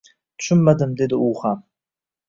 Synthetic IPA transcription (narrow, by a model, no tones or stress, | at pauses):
t̪ʰʊ̥ʃʏnːad̪ɪmd̪ed̪ɪuχam